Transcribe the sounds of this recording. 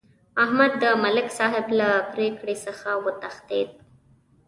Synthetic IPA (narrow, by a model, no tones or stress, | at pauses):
ahmad̪ːəmalɪksɑɦɪblapɾekɽesəxawət̪axt̪ḛd̪̚